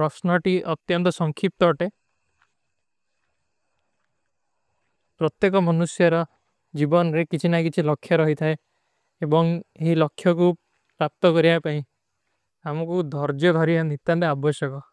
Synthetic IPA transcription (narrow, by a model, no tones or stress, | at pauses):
ɾɔsnɔʈiʔɔt̪jɔnt̪ɔsɔŋkʰip̚t̪ɔːʈe | pɾɔt̪jekɔmɔnusjɔɾɔ | d͡ʒibɔnɔɾekit͡ʃʰinakit͡ʃʰilɔkʰjɔɾɔɦit̪ʰae | ebɔŋeɦilɔkʰːjɔku | pɾap̚t̪ɔkɔɾiapaĩ | amɔkud̪ʱɔɾd͡ʒjɔd̪ʱɔɾianit̪ant̪eabɔsjɔkɔ